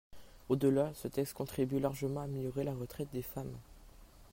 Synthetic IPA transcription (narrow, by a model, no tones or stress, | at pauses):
od̪əlasət̪ɛkst̪̚kɔ̃t̪χibylaʁʒəmɑ̃amiljɔʁelaʁət̪χɛt̪̚d̪efam